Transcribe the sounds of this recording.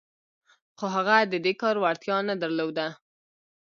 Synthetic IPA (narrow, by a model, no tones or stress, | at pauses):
xoɦaɣad̪əd̪ekɑɾwaɾt̪jɑnad̪əɾlod̪a